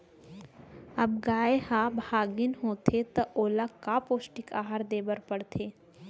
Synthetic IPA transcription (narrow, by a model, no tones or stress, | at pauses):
ɐb̚ɡaːeɦaːbʱaːɡɪnɦoːt̪ʰet̪ɐʔoːlakːapoːsʈɪka̰ːɦaɾd̪eːbəɾpəɽt̪ʰeː